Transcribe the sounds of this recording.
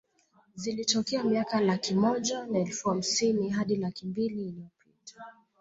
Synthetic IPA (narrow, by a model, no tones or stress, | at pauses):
zilitɔkɛamiakalakimɔʄanaɛlfuham̩siniɦaɗilakimbiliːlijɔpitḁ